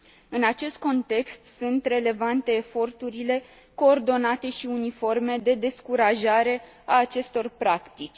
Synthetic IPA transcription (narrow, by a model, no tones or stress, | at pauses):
ɨnat͡ʃe̞st̪̚ko̞nt̪e̞kst̪sunt̪re̞le̞vant̪e̞ːfo̞rt̪uɾile̞ | ko̞ːrd̪o̞nat̪e̞ʃiunifo̞rme̞d̪e̞d̪e̞skuɾaʒaɾe̞ | aːt͡ʃe̞st̪o̞rpɾakt̪it͡ʃʲ